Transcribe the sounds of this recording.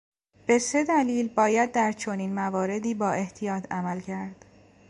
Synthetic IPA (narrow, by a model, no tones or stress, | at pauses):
b̥e̞se̞d̪æliːlbɒːjæd̪̚ːæɾt͡ʃʰo̞niːnmævɒːɾe̞d̪iːbɒːʔe̞ht̪ʰijɒːt̪ʰæmælcʰæɾd̪̥